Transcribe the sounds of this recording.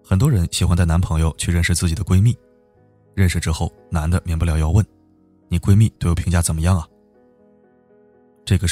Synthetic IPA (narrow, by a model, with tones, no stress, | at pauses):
xə˨˩nt̪̬wɔ˥ɻə˧˥nɕi˨˩xwa˧nt͡sa˥˩ɪn˧˥npʰɤ˧˥ŋjo˧ʊt͡ɕʰy˥˧ɻə˥˧nʂɻ̩˥˧t͡sɹ̩˥˩t͡ɕi˨˩d̪ə˦kwe˥ɪmi˥˩ | ɻə˥˩nʂɻ̩˧˩ʈ͡ʂɻ̩˥xo˥˩ʊ | na˧˥nd̪ə˨mjɛ˧˥npə˩ljɑ˧˥ʊjɑ˥˧ʊwə˥˩n | ni˨˩kwe˥ɪmi˥˧t̪o˥˩jo˧˩pʰŋt͡ɕja˥˩t͡sə˨˩nmə˦jɑ˥˩ŋɐ˩ | ʈ͡ʂɤ˥˩ɡə˩